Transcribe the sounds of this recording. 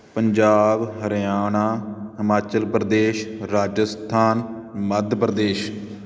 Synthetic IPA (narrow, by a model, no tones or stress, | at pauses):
pəɲd͡ʒaːbɦəɾjaːnaːsəmaːt͡ʃəlpɾəd̪eːʃɾaːd͡ʒəst̪ʰaːn | məd̪ʱpɾəd̪eːʃ